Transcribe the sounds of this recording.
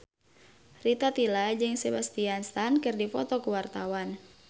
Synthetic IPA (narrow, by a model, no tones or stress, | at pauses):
rit̪at̪ilad͡ʒɨŋsebast̪ianst̪ankɨrdifɔt̪ɔkuwart̪awan